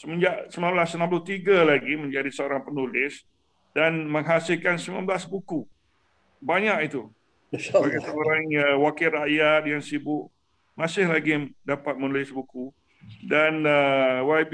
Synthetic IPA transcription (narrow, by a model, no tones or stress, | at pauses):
səmə̃ɲd͡ʒaʔsəmãmblasənãmplʊht̪iɡalaɡimə̃ɲd͡ʒadisəoɾaŋpənulɪs | danmə̃ŋɦasɪlkansimnã̰mblasbuku | baɲakit̪u | səbaɡajsəoɾaŋəwakɪlraʔjat̪̚jaŋsibʊʔ | mãsɪhlaɡidapat̪̚mənulɪsbuku | danəwab